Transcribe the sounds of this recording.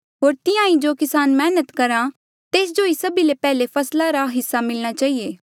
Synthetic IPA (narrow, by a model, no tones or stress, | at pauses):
ɦoːɾt̪ɪjãːĩd͡ʒokɪsaːnmɛːnət̪kɐɾã | t̪eːs̬d͡ʒoːisɐbilepɛːlepʰɐslaɾaɦɪsːamɪlɽ̃at͡ʃaːieː